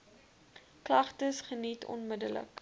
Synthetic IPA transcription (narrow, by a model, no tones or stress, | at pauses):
klɐχtəsχənitʰɔ̰nmədələ̰k